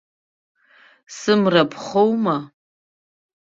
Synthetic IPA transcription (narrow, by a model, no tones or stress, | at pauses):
sɨmrapʰχowma